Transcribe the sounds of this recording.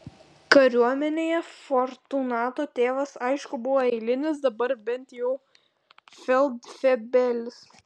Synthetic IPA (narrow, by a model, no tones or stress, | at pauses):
kɐɾʲuɔmʲɛnʲeːjɛfɔɾt̪unɑːt̪oːt̪ʲeːʋɐsɐɪʃkʊbʊʋoːɛɪlʲɪnʲɪsd̪ɐbɐɾbʲɛnt̪jɛʊ | fʲɛlˠd̪fʲɛbʲɛlʲɪs